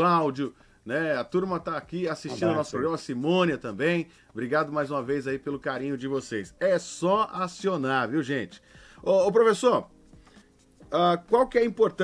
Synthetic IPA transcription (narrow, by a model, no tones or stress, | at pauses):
lawd͡ʒʊ | nɛɐt̪uɾmɐt̪aːkiasist͡ʃĩd̪ʊnɔsʊpɾoɡɾɐ̃mɐsimõniɐt̪ɐ̃bẽj̃ | bɾiɡad̪ʊmajzũmɐvejzaipelʊkaɾĩɲʊd͡ʒɪvosejsɛsɔasionaɾviwʒẽt͡ʃɪ̥ | oːp̬ɾofesoɾ | akwawkɪɛĩpoɾt̪ɐ